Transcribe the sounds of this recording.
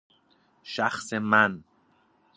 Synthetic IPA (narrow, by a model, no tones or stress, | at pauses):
ʃæxsemæn